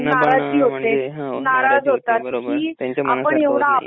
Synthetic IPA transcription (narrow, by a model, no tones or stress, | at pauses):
naɾad͡ziːɦot̪enaɾad͡zɦot̪at̪̚kiːa̰pəɳeʋɽ̃aː